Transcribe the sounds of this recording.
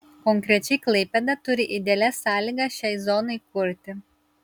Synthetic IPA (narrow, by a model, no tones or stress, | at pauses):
kɔŋʲkɾʲɛt͡ʃʲɛklʲˠɐpʲɛd̪ɐt̪ʊɾʲɪʔid̪ʲɛlʲɛsɑːlʲiɡɐʃʲɛjzɔnɔɪkʊɾʲt̪ʲɪ